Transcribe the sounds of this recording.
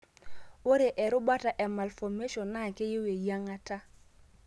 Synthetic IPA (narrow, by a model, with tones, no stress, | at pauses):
o˦ɾe˨ʔɛ˨ɾʊ˦ba˦ta˨ʔɛ˨ma˨lfɔ˨me˦ʃɔ˨nːa˦˨ke˦je˦we˨ja˦ŋa˦ta˦